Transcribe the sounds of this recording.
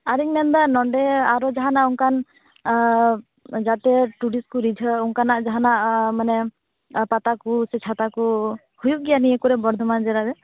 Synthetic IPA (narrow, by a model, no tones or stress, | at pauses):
aɾiŋmɛnd̪anɔɳɖɛaɾɔd͡ʒaɦanaʔuŋkan | d͡ʒat̪ɛʈuɽiskuɾid͡ʒʱəuŋkanaʔd͡ʒaɦanaʔmanɛ | pat̪akusɛt͡ʃʰat̪aku | hujuʔɡijanijɛkuɾɛbɔɾd̪ʱɔmand͡ʒɛɾad̪ɛ